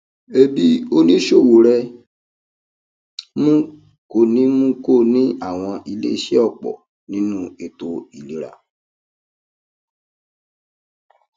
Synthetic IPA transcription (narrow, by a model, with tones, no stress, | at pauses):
e˦bi˨˦o˦nĩ˦ʃo˦˨wo˨ɾɛ˧ | mũ˦ | ko˨nĩ˦mũ˦ko˦˨nĩ˦a˦˨w̃ɔ̃˧ʔi˧lḛ˦i˦˨ʃɛ˦ɔ˦˨k͡pɔ̰˨ | nĩ˦nũ˦e˧to˧i˨li˨˦ɾa̰˨